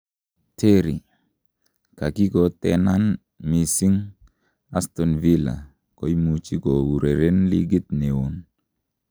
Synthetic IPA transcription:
tʰe˦ɾi˨ | ka˨ki˦ɡɔ˨tɛ˦na˦n | mi˨si˦ŋ | a˦sto˨nvi˦la̰˨ | ko˦jmu˨t͡ʃi˦ɡo˨wu˨ɾe˨ɾe˦nlḭ˦ɡi˦tne˨wo˨n

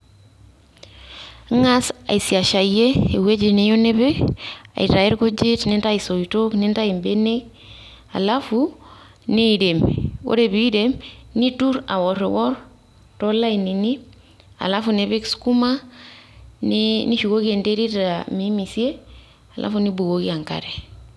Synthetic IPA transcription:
ŋa˦sa̰˨i˨sia˨ʃa˨e˦e˨we˦d͡ʒe˨ne˨jo˦neβe˦a̰˨i˨ɾa˨e˦ɾɡo˦d͡ʒe˦tne˦nta˦iso˨itokne˦nta˦i˨mbe˦ne˦k̚ | a̰˨lafu | ne˦ɾe˨mko̰˦ɾe˨βiː˦ɾemni˦tuɾa̰˨woɾewɔɾ | tola˦inini | a̰˨la˦funebe˦kskuma | nini˦ʃukokie˨ndeɾi˦ɾamimisie˦ | alʔa̰funi˦bu˨ɡokia˨ŋka̰ɾe

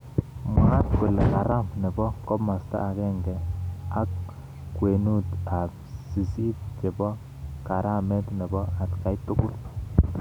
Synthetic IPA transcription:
mwa˦t̚kʊ˨lka˨ɾa˦mni˨bɔ˦kɔ˦pma˨st̪a̰ː˦˨kɛ˦ŋɡɛ˨a˨˦k | kːwe˨nu˦t̪a˨p̚ | si˨si˦p̚t͡ʃe˨bɔ˦ | ka˨ɾa˦mɛ˦tni˨bɔ˦a˨t̪ka˨jt̪ʊ˦kʊ˦l

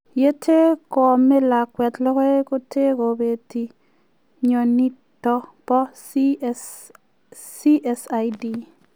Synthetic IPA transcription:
je˦tʰe˦kɔ˨mɛ˦la˨kwɛ˨t̪lɔ˦kɔ˦ko˦tʰe˦ko˨be˨ti˨ | ɲo˨ni˦tːɔ˦pɔ˦ | si˦ʔɛ˦sa˨jdi˨

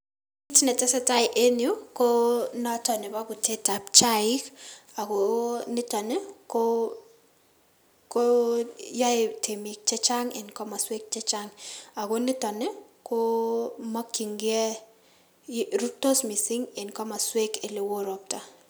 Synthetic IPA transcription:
i˦tnɛ˨tɛ˦sɛ˦ta˦ɪ˨ʔe˦njo˦ko˦nɔ˦tɔ˨nɛ˨ba˦kʊ˨te˦ta˨pt͡ʃa˦ɪ˦ka˨ɡo˨nɪ˦tɔ˨nɛ˦ko | ko˦ja˦ɪ˨tʰe˨mi˨k̚t͡ʃɛ˦t͡ʃa˦ŋḛ˨nkɔ˦ma˨swe˦k̚t͡ʃɛ˦t͡ʃa˦ŋa˨ɡo˦nɪ˦tɔ˨nɛ˦ | ko˦ma˦kːi˨ŋɡɪɛ˦ | ɾu˦to˦smi˨sɪ˦ŋe˨nkɔ˦ma˨swe˦ke˨lɪ˨wo˦ɾɔ˨p̚ta˨

